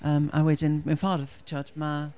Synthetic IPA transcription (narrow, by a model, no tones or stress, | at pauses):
əːma̰wɛdɪnmɪnfɔrðt͡ʃʰɔdma